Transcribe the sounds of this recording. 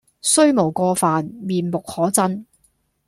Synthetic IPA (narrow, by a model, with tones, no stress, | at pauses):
sɵ˥ɥmo˨˩wkɔː˧faː˨nmiː˨˩nmʊ˨k̚hɔː˨˥t͡sɐ˥n